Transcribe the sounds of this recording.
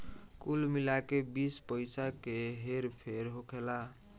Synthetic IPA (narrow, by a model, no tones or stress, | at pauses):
kulmilakebispəjsakeɦeɾpʰeɾɦokʰela